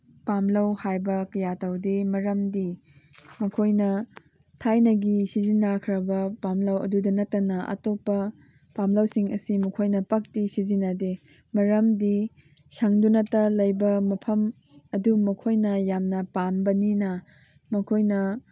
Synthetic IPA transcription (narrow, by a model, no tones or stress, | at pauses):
pamlɐwhajbɐkɐjatɐwdemɐɾɐmdi | mɐkʰojnɐ | tʰajnɐɡisizinːakʰɾɐbɐpamlɐwɐ̰dudɐnɐtːɐnɐʔɐ̰topːɐ | pamlɐwsiŋɐsimɐkʰojnɐpɐk̚tisizinːɐde | mɐɾɐmdi | sɐŋdunɐtɐlɐjbɐmɐpʰɐm | ɐdumɐkʰojnɐjamnɐpambɐninɐ | mɐkʰojnɐ